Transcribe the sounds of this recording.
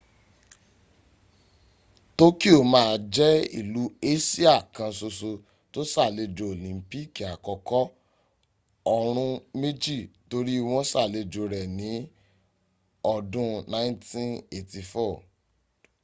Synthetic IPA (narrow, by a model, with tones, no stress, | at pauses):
to˦ki˦o˦˨mãː˦˨˧d͡ʒɛ˦ḭ˦˨lu˨˦e˦si˦a˦˨kã˧so˧so˧ | to˦sa˦˨le˧d͡ʒo˧o˨lĩ˨˦pi˦˨ka˨kɔ˨˧kɔ˦ | ɔ˧ɾ̃ũ˧me˦d͡ʒi˦˨to˨˧ɾi˦i˦˧w̃ɔ̃˦sa˦˨le˧d͡ʒo˧ɾɛ˨nĩ˨˦ | ɔ˧˨dũ˧nã˦ntĩ˦ne˨ti˧fɔ˦˨